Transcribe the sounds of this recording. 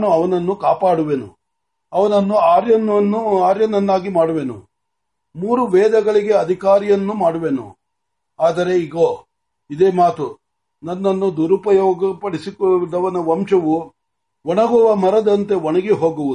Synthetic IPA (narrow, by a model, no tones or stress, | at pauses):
nuɐʋɐnɐnːukaːpaːɽuʋenṵ | ɐʋɐnɐnːuaːɾjɐnːɐnːuaːɾjɐnɐnːaːɡimaːɽuʋenṵ | muːɾuʋɛːd̪ɐɡɐɭiɡe̞ɐd̪ʱikaːɾijɐnːumaːɽuʋenṵ | aːd̪ɐɾe̞iɡoː | id̪eːmaːt̪u | nɐnːɐnːud̪uɾupɐjoːɡɐpɐɽisikod̪ɐʋɐnɐʋɐmʂɐʋu | ʋɔɳɐɡɔʋɐmɐɾɐd̪ɐnt̪e̞ʋoɳɐɡeɦo̞ːɡuʋud̪u